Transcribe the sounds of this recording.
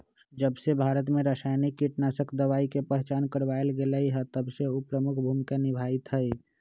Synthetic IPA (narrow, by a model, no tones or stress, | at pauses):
d͡ʒəbsebʱaɾət̪meɾəsajnikːiʈnasəkʰd̪əʋaikepəɦɛt͡ʃankəɾbaelɡeləjɦət̪əbseupɾəmukʰbʱumkenibʱait̪ɦəj